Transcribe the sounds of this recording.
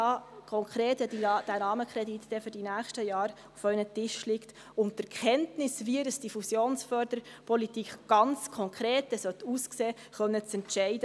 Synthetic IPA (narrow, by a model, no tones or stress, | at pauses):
ɑːkʰɔŋkʰɾeːtdid̥æɾɑːməkχɾɛdit̪d̥ɛfyɾdinæːχʃtəjɑːɾ | ufœʏnətɪʃlikt | ʊnttɛɾkχɛntnɪsʋiədəsd̥ifusjoːnsfœɾd̥əɾ | pʰɔlitikχɡ̥ɑnt͡skʰɔŋkʰɾeːt̚dɛsœt̪uːskseː | χœnːət͡sɛntʃɛɪdə